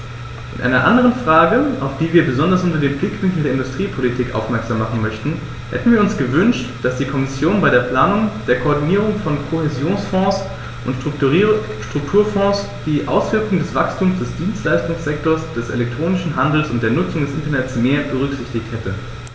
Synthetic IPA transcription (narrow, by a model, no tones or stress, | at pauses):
ʔɪnʔa̰ɪnɐʔa̰ndəʁənfʁ̥aːɡəa̰ʊfd̥iːviːɐbəzɔndɐsʔʊntɐdeːmplɪkv̥ɪŋkl̩deːɐʔɪndʊstʁ̥iːpʰolitʰiːkʔa̰ʊfmɛɐkz̥aːmːaχn̩mœçtn̩ | hɛ̰tn̩viːɐʊnsɡ̥əvʏnʃtd̥asd̥iːkʰɔmɪsjoːnbaɪdeːɐpl̥aːnʊŋd̥eːɐkʰoɔɐdiniːʁ̞ʊŋfɔnkʰohezjoːnsfɔ̃ːs | ʔʊntkː | ʃtʁ̥ʊk̚tʰuːɐfɔ̃ːs | d̥iːʔa̰ʊsv̥ɪɐkʊŋdɛsv̥akstʰuːmsd̥ɛsd̥iːnstlaɪstʊŋsz̥ɛk̚toːɐsd̥ɛsʔḛlɛk̚tʁ̥oːnɪʃn̩ɦandl̩sʊ̰nt̚d̥eːɐnʊt͡sʊŋdɛsʔɪntɐnɛtt͡smeːɐbəʁ̞ʏkz̥ɪçtɪçthɛtə